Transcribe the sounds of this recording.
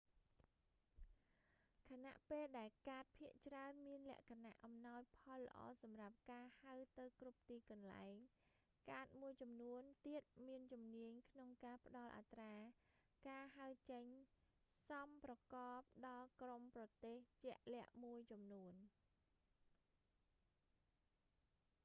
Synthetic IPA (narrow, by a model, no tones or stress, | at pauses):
kʰana̰ʔpeːlɗaɛlkaːt̪̚pʰiəʔt͡ɕraənmiənlɛ̆əʔkʰana̰ʔːɑmnaɔjpʰɑlːə̆ʔɑ̰ːsɑmrap̚kaːhawt̪ɨwkrup̚t̪iːkɑnla̰ɛŋ | kaːt̪̚muəjt͡ɕɑmnuənt̪iət̪̚miənt͡ɕumniəɲkʰnoŋkaːpə̆ɗɑlʔa̰t̪raː | kaːɦaəwt͡ɕəɲ | sɑmprɑkɑːp̚ɗɑːkromprɑt̪eːht͡ɕɛ̆əʔlɛ̆əʔmuəjt͡ɕɑmnuən